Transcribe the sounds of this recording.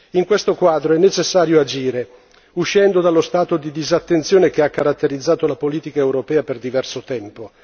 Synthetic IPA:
iŋkwest̪okwaːd̪ɾoɛnːet͡ʃesːaːɾjoad͡ʒiːɾe | uʃːɛnd̪od̪alːost̪aːt̪od̪id̪izat̪ːent̪sjoːnek̟eakːaɾat̪ːeɾid̪zːaːt̪olapoliːt̪ikaewɾopɛːaperd̪ivɛrsot̪ɛmpo

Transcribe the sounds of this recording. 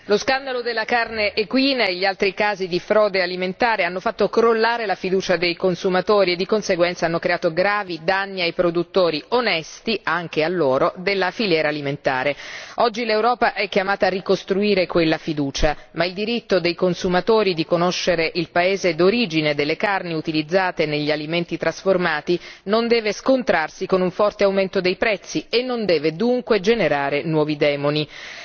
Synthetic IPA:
loskand̪alod̪elːakarneʔːkwiːnaeʎːialt̪ɾikaːzid̪ifɾɔːd̪ealiment̪aːɾeanːofat̪ːokɾolːaːɾelafid̪uːt͡ʃad̪ejkonsumat̪oːɾied̪ːikonseɡwɛnt̪saanːokɾeaːt̪oɡɾaːvid̪anːiajpɾod̪ut̪ːoːɾionɛst̪iaŋk̟ealːoːɾod̪elːafiljɛːɾaːliment̪a̰ːɾeɔd͡ʒːilewɾɔːpaʔɛk̟jamaːt̪arːikost̪ɾuiːɾekwelːafid̪uːt͡ʃamaild̪iɾit̪ːod̪ejkonsumat̪oːɾid̪ikonoʃːeɾeʔilpaeːzed̪oɾiːd͡ʒined̪elːekarniut̪ilid̪zːaːt̪eneʎːialiment̪it̪ɾasformaːt̪inond̪ɛːveskont̪ɾarsikonuɱfɔrt̪eawment̪od̪ejpɾɛt̪sːienːond̪ɛːved̪uŋkwed͡ʒeneɾaːɾenwɔːvid̪ɛːmoni

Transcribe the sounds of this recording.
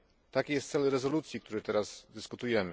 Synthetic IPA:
t̪akʲijɛst̪sɛlɾɛzɔlut̪sʲjik̚t̪uɾɛt̪ɛɾazd̪ɘskut̪ujɛmɘ

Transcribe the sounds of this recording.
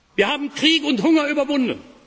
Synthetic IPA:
viːɐhaːbm̩kʁ̥iːkʊnthʊŋɐyːbɐvʊndən

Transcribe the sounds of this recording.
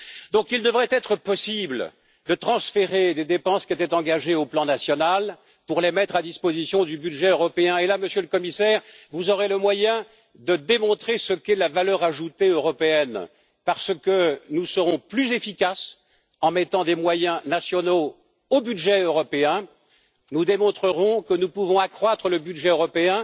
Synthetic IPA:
d̪ɔ̃kild̪əvʁɛt̪ɛt̪χəpɔsibl | d̪ət̪χɑ̃sfeʁed̪ed̪epɑ̃skʲiet̪ɛt̪ɑ̃ɡaʒeoplɑ̃nasjɔnal | puʁlemɛt̪χad̪ispozisjɔ̃d̪ybyd̪ʒɛøʁɔpeɛ̃elaməsjøləkɔmisɛːʁvuzɔʁeləmwajɛ̃ | d̪əd̪emɔ̃t̪χesəkɛlavalœʁaʒut̪eøʁɔpeɛn | paʁsəkənusəʁɔ̃plyzefikʲas | ɑ̃mɛt̪ɑ̃d̪emwajɛ̃nasjɔno | obyd̪ʒɛøʁɔpeɛ̃ | nud̪emɔ̃t̪χəʁɔ̃kənupuvɔ̃akχwat̪χələbyd̪ʒɛøʁɔpeɛ̃

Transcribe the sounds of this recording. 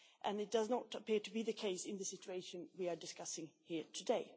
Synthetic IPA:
ʔɨ̃nɨt̚d̥ʌznətəpɪɹɾɨbiðɨkʰeɪsɪ̃nðɨsɪt͡ʃueɪʃɨ̃nwiə˞dɨskʌsɪ̃ŋhiɹtʰɨdeɪ

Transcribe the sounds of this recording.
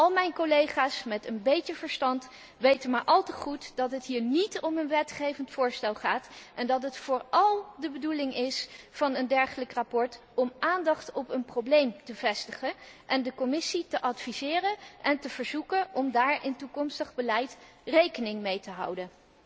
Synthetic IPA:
ʔɑlˠmɛjnkolejχaːsmɛtənbejtəvəɹstɑnt | ʋejtənmaːɹʔɑlˠtəχutdɑtɦətɦiːɹnitɔmənʋɛtχejvəntfʊːɹstɛlˠχaːtʔɛndɑtɦətfʊːɹɑlˠdəbədulɪŋɪsfɑnəndɛɹχələkrapɔɹt | ɔmʔaːndɑχtɔpənproblejmtəvɛstəχən | ʔɛndəkɔmɪsitəʔɑtfizɪːrənʔɛntəv̥əɹzukəʔɔmdaːɹɪntukɔmstəχbəlɛjt | rejkənɪŋmejtəɦɑ̰wdən

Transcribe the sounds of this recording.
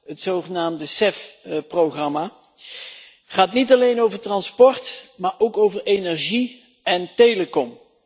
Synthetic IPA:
ətsowχənaːmdəsɛfproχrɑmaː | χaːtnitɑlejnowvəɹtrɑnspɔɹtmaːɹʔowkowvəɹejnɛɹʒi | ɛntejləkɔm

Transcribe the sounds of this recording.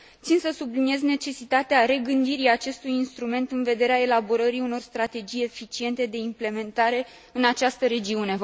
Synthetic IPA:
t̪sinsəsublinije̞zne̞t͡ʃe̞sit̪at̪eaɾe̞ɡɨnd̪iɾiat͡ʃe̞st̪ujinst̪ɾume̞nt̪ɨnve̞d̪e̞ɾeae̞labo̞ɾəɾiuno̞rst̪ɾat̪e̞d͡ʒije̞fit͡ʃie̞nt̪e̞d̪e̞imple̞me̞nt̪aɾe̞ | ɨnat͡ʃast̪əɾe̞d͡ʒiune̞

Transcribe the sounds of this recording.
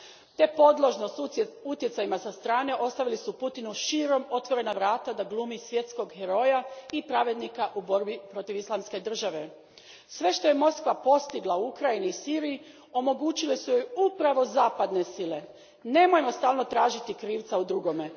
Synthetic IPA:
t̪e̞po̞d̪lˠo̞ʒnost̪ut̪jet̪sajimasast̪ɾaːne̞ʔo̞st̪aʋilisuput̪inuʃiːɾo̞mo̞t̪ʋo̞ɾe̞naʋɾaːt̪ad̪aɡlˠuːmisʋje̞t̪sko̞ɡheɾo̞jaipɾaʋe̞d̪nikaʔuboɾbipɾo̞t̪iʋislˠamske̞d̪r̩ʒaʋe̞ | sʋe̞ʃt̪o̞je̞mo̞skʋapo̞st̪iɡlˠauukɾajiniːsiːɾiji | o̞mo̞ɡuːt͡ɕilesujo̞jupɾaʋo̞zaːpad̪ne̞sile̞ | ne̞mojemo̞st̪aːlˠno̞t̪ɾaːʒit̪ikɾiːʋt̪saud̪ɾuɡo̞me̞

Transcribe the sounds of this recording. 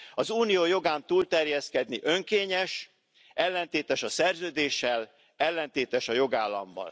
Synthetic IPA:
ɒzuːnijoːjo̞ɡaːnt̪uːlt̪ɛrjɛskɛd̪niʔø̞ŋkeːɲɛʃ | ʔɛlːɛnt̪eːt̪ɛʃɒsɛrzøːd̪eːʃːɛl | ɛlːɛnt̪eːt̪ɛʃɒjo̞ɡaːlːɒ̰mbɒ̰l

